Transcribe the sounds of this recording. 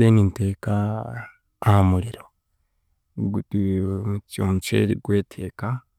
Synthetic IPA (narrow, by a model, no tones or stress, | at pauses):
eːŋinteːkaː | hamuɾiɾo | ɡutimucoːɲt͡ʃḛɾiɡweːtʰeːka